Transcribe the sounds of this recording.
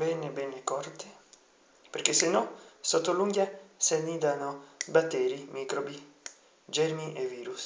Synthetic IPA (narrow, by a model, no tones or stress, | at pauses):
bɛnebɛnːekɔrt̪e | peɾk̟esenɔsot̪ːoluŋɡjasanid̪anobat̪ːɛːɾimiːkɾobi | d͡ʒɛɾmiʔeviːɾus